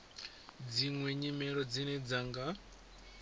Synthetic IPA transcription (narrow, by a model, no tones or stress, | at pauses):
d͡ziŋwɛɲimɛɺɔd͡zinɛd͡zaŋɡa